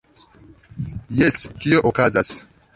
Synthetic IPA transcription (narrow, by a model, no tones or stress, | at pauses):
jeskio̞ʔokazas